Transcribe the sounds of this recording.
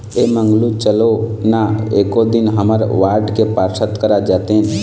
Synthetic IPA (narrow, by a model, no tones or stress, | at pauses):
eməŋɡlut͡ʃəlonaekod̪inɦəməɾʋaɾɖkepaɾsʰət̪kəɾad͡ʒat̪eɦn